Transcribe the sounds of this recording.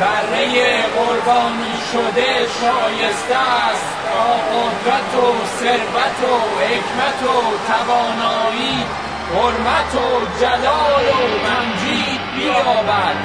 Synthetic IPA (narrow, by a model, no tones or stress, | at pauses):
bæɾːejeɢoɾbɒːniːʃod̪e̞ʃɒːjest̪æst̪ | ɒːɣod̪ɾæt̪ʰo | seɾvæt̪ʰohekʰmæt̪ʰot̪ʰævɒːnɒːiː | hoɾmæt̪ʰod͡ʒælɒːlomæmd͡ʒiːd̪bijɒːbæd̪̥